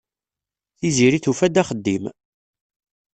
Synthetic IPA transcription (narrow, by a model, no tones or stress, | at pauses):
θiziɾiθufæd̪æχəd̪ːim